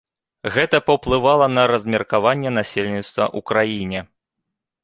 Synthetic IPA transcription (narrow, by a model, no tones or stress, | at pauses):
ɣɛt̪ɐpɐwplˠɨvalˠɐnɐɾɐzʲmʲɛrkavanʲːɛn̪asʲelʲnʲit̪st̪vɐ̰ʔukɾajinʲɛ